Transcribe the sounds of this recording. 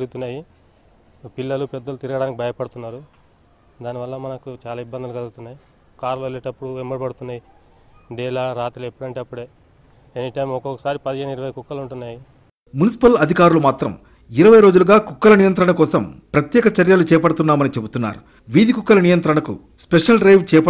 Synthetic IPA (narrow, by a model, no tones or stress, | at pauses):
eɾuɡut̪unːaːji | pilːɐlupɛd̪ːɐlut̪iɾɐɡɐɽaːnikʲibʱɐjɐpɐɽut̪unːaːɾu | d̪aːniʋɐlːɐmɐnɐkut͡ʃaːlaːibːɐnd̪ɐlukɐluɡt̪unːaːji | kaːɾlʋelːeːʈɐpːuɽuemːbɐɽipɐɽut̪unːaːji | ɖɛːlaːɾaːt̪ɾilepːuɽɐɳʈeːɐpːuɽeː | enːiʈɐjmɔkokːɐsaːɾipɐd̪ɐeːnuiɾɐʋɐjkukːɐluɳʈunːaːji | munisi̥pɐlɐd̪ʱikaːɾulumaːt̪ɾɐm | iɾɐʋɐjɾo̞ːd͡ʒuluɡaːkukːɐlɐnijɐnt̪ɾɐɳɐkɔːsɐmpɾɐt̪jɛːkɐt͡ʃɐɾjalut͡ʃɛːpɐɽut̪unːaːmɐnit͡ʃe̞but̪unːa̰ːɾu | ʋid̪ikukːɐlɐnijɐnt̪ɾɐɳɐkṵ | speʂɐlɾejʋt͡ʃɛːpɐ